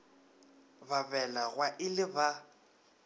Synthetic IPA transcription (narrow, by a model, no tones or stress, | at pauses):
babɛlaɣwaʔɪlɪba